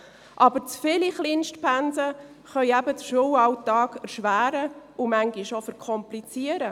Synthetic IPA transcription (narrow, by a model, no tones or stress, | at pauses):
ʔɑbəɾt͡sfɪliχliːnʃtpænsə | χœʏæbədəʃuwɑwtɑːɡɛɾʃʋæːɾəumæŋɡiʃofɛɾkʰɔmplit͡siəɾə